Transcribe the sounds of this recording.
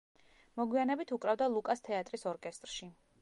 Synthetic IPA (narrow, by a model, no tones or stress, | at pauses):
mɔɡwianɛbit̪ʰukʼɾavd̪alˠukʼast̪ʰɛat̪ʼɾisɔɾkʼɛst̪ʼɾʃi